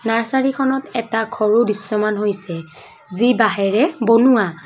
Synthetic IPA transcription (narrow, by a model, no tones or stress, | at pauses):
naɹsaɹikʰɔnɔtɛtakʰɔɹubisːɔmanɦojsɛ | zibaɦɛɹɛbonuwa